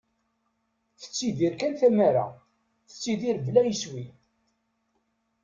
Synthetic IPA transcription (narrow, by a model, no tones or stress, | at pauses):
θə̥t͡sːiðiɾkænθæmæɾa̰ | θə̥t͡sːiðiɾblæjəswi